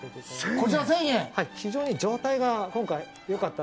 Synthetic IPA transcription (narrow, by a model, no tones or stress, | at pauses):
od̪eskot͡ɕiɾasẽɰ̃jẽhaiçid͡ʑo̞ːɲ̟id͡ʑo̞ːt̪aiɡakõ̞ŋkai | jo̞kat̪ːa